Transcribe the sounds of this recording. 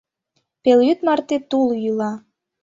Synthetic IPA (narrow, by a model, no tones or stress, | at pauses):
peljyt̪mɑrt̪et̪uljylɑ